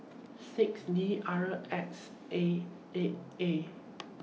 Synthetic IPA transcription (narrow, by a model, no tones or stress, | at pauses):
sɪksniʔaɹəʔɛks | e | e